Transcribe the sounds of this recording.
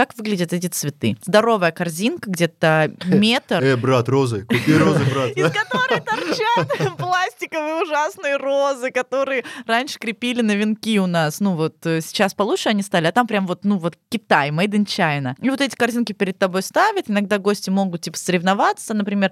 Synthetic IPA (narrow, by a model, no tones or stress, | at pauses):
kakvɨɡlʲɪdʲɪt̪ɛt̬ʲɪt̪svʲɪt̪ɨzd̪ɐɾo̞vəjəkɐrzʲinkəɡdʲe̞t̪əmʲet̪əɛbɾat̪rozɨkʊiɾozɨbɾaikɐt̪o̞ɾɨət̪ɐrt͡ɕat̪plˠasʲtʲɪkəvɨjəʊʐasnɨjəro̞zɨkɐt̪o̞ɾɨjəɾanʲʂɨ̥kɾʲɪpʲilʲɪnəvʲɪnkʲiʊnasnuvo̞t̪ːsʲɪ̥t͡ɕaspɐlˠut̪ʂɨɐnʲist̪alʲɪɐt̪ampɾʲamvo̞t̪nuvo̞t̪kʲɪt̪ajmɐjd̪ɨnt͡ɕajɪnəivo̞t̪ɛtʲɪ̥kɐrzʲinkʲɪpʲɪɾʲɪd̪̚t̪ɐbo̞jst̪avʲɪt̪ɪnɐɡ̚d̪aɡosʲtʲɪmo̞ɡʊt̪̚tʲːipə̥səɾʲɪvnɐvat̪sːənəpɾʲɪmʲe̞r